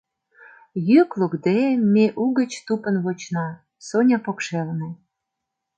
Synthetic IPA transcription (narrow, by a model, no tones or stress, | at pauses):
jyklukd̪emːeʔuɣət͡ɕt̪upə̆nβot͡ɕnɑ | sonʲɑpokʃelnĕ